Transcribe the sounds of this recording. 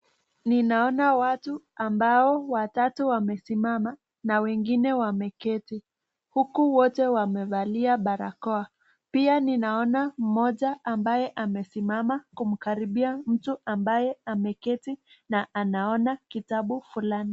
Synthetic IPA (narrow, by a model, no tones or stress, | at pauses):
ninaɔnawatuambaɔwatatuwamɛsimama | nawɛŋɡinɛwamɛkɛti | hukuwɔtɛwamɛvaliaɓaɾa̰kɔa | pianinaɔnam̩mɔʄaʔːmbajɛʔamɛsimamakum̩kaɾiɓiam̩tuʔambajɛamɛkɛtinaʔanaɔnakitaɓufulani